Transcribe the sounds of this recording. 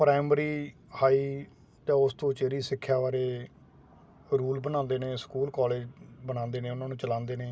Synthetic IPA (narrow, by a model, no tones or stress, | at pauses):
pɾaːmɾiː | haːiː | t̪ãːʊst̪õːt͡ʃeːɾiːsɪkʰːjaːʋaːɾeː | ɾuːlbənãːnd̪eːnẽːskuːlkɔːleːd͡ʒbənãːnd̪eːnẽːʊnãːnũːt͡ʃəlãːnd̪eːneː